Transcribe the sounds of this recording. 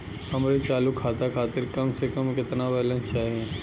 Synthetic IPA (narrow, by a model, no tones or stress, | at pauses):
hɐmɾit͡ʃaːlukʰːaːt̪akʰaːt̪ɪɾkɐmsekɐmkɪt̪naʋɛːlə̃nt͡ʃaːɦiẽ